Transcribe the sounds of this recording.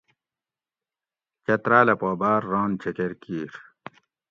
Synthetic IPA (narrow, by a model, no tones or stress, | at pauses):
t͡ɕɐt̪ɾaːlɐpoːbaːɾːaːnt͡ɕʰekeɾkiːɾ